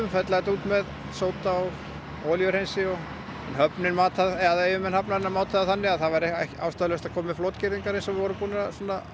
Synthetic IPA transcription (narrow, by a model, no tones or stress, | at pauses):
ʏmfɛt̪laɣɛt̪uːt̪mɛð | soːwt̪aw | ɔːljœɾhejnsɪɔɣ | ɛnhœpnɪnmaːt̪ʰaðɛaðejvʏmɛnhapnaðɛnːamaːwt̪ʰaðaθanːɪaðθavaɾɛhɛhca̰wst̪aðlœst̪aðkʰɔːmɪflɔwt̪cɪɾðiŋkaɾensɛmvɪvɔːɾʏmpuːnasɔnːa